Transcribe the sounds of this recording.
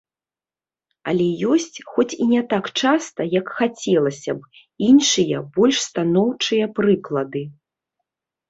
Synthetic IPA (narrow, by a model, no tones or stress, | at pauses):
ɐ̰lʲɛjɔsʲt͡sʲxɔt͡sʲinʲɛt̪akt͡ʂast̪ɐjɐkxat͡sʲɛlˠɐsʲɐb | inʂɨjɐbɔlʲʂst̪anɔwt͡ʂɨjɐpɾɨklˠɐd̪ɨ